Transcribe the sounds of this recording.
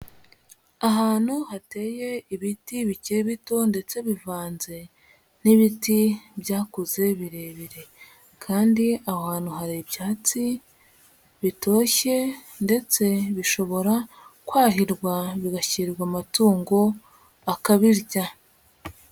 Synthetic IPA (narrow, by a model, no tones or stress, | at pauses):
aɦaːn̥huhate̞ːje̞iβitiβiciɾiβito̞nde̞t͡se̞βivaːnze̞ | niβitibjaːkuze̞βiɾe̞βiɾe̞ | kʰaːndiahaːn̥huɦaɾibjaːt͡si | βito̞ːçe̞ | nde̞t͡se̞βiʃo̞βo̞ɾa | kwaːɦiɾɡwaβiɡaçiɾɾɡwamatuːŋɡo̞ | akaβiɾɟa